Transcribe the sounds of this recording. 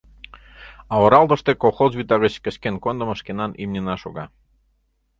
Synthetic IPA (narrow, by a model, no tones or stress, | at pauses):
ɑəɾɑlˠd̪ə̆ʃt̪ekolˠxozβʲyt̪ɑɣət͡ɕkəɕkenkond̪əməʃkenɑnimnʲenɑʃoɣɑ